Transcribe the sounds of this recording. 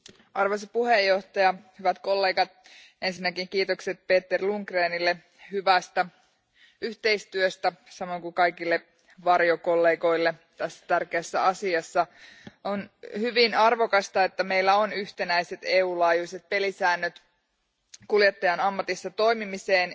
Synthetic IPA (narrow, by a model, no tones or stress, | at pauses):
ɑrʋosɑpuhejːo̞ht̪ɑjɑhyʋæt̪ko̞lːeːɡɑt̪̚ | e̞nsinːækiŋkiːt̪okse̞t̪̚pe̞ːt̪ːerluŋkreːnilːe | hyʋæst̪æ | yht̪e̞ist̪yøst̪æsɑmo̞iŋkukɑjkilːe | ʋɑrjoko̞lːeːɡo̞ilːe̞t̪æsːæ̥t̪ærkeæsːæɑsiɑsːɑonhyʋinɑrʋo̞kɑst̪ɑe̞t̪ːæme̞ilːæo̞nyht̪e̞næise̞t̪eːuːlɑːjuise̞t̪̚pe̞lisæːnːøt̪ | kuljet̪ːɑjɑnɑmːɑt̪isːɑt̪o̞jmimiseːn